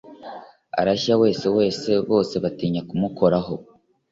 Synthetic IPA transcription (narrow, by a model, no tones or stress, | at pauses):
a̰ɾaçawe̞ːse̞we̞ːse̞βo̞ːse̞βatiːɲakumukʰo̞ɾaɦo̞